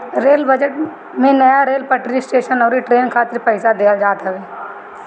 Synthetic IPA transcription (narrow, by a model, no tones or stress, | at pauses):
ɾeːlbəd͡ʒəʈ | mẽnɐjaɾeːlpəʈɾisʈeːʃənɔːɾiʈɾeːnkʰaːt̪ɪɾpəɪsad̪eːəld͡ʒaːt̪aʋeː